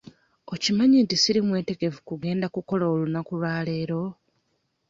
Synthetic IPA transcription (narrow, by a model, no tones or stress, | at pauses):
ocimaɲintisiɾimwe̞ːte̞ɡe̞vukuɡe̞ːndakuko̞laolunakulwaːle̞ːɾo̞